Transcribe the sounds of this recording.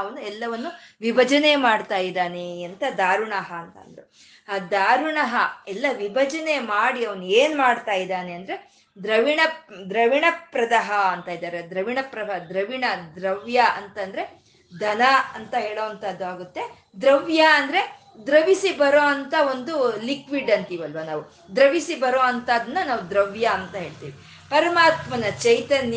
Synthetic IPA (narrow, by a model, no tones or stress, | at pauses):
ɐʋɐnuɛlːɐʋɐnːuʋibʱɐd͡ʒɐne̞maːɖt̪aːjid̪aːneɐnt̪ɐd̪aːɾuɳɐɦɐːnt̪ɐ̰nd̪ɐɾe | ad̪aːɾuɳɐɦɐɛlːɐʋibʱɐd͡ʒɐne̞maːɽiɐʋɐnueːnmaːɖt̪aːjid̪aːneɐnd̪ɾe̞ | d̪ɾɐʋiɳɐd̪ɾɐʋiɳɐpɾɐd̪ɐɦɐɐnt̪aːjid̪aːɾed̪ɾɐʋiɳɐpɾɐɦɐd̪ɾɐʋiɳɐd̪ɾɐʋjɐɐnt̪ɐnd̪ɾe̞ | d̪ʱɐnɐɐnt̪ɐɦe̞ːɭoːɐnt̪ɐd̪ːuaːɡut̪ːe̞ | d̪ɾɐʋjɐːnd̪ɐɾe̞ | d̪ɾɐʋisibɐɾoːɐnt̪ɐo̞nd̪ulikʋiɖɐnt̪iːʋɐlʋɐnaːʋu | d̪ɾɐʋisibɐɾoːɐnt̪aːd̪ɐnːɐnaːʋud̪ɾɐʋjɐːnt̪ɐɦe̞ːɭt̪ḭːʋi | pɐɾɐmaːt̪mɐnɐt͡ʃɐjt̪ɐn